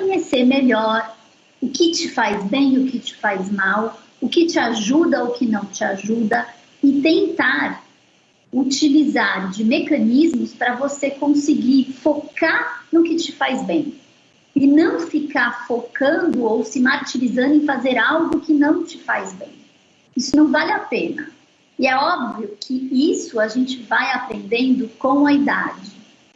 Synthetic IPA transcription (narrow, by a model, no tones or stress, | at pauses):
koɲeseɾmeʎɔɾ | ʊkɪt͡ʃɪfajzbẽj̃ʊkɪt͡ʃɪ̥fajzmaw | ʊkɪt͡ʃɪaʒud̪ɐʊkɪnɐ̃w̃t͡ʃɪaʒud̪ɐ | ɪt̪ẽnt̪aɾ | ut͡ʃilizaɾd͡ʒɪmekɐ̃nizmʊspɾɐvosekõsɪɡiɾfokaɾnʊkɪt͡ʃɪfajzbẽj̃ | ɪnɐ̃w̃fikaɾfokɐ̃nd̪ʊowsɪmaɾt͡ʃilizɐ̃nd̪ʊẽj̃fazeɾawɡʊkɪnɐ̃w̃t͡ʃɪfajzbḛ̃j̃ | isʊnɐ̃w̃valɪapẽnɐ̰ | ɪɛɔbviʊkʰɪisʊaʒẽnt͡ʃɪvajapɾẽnd̪ẽnd̪ʊkõw̃ɐid̪a̰d͡ʒɪ